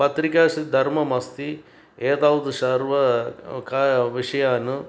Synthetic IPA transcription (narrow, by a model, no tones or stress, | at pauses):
pɐt̪ɾikaːsid̪ʱɐɾmɐmɐst̪i | eːt̪aːʋd̪uʃɐɾʋɐkaʋiʂɐjaːnu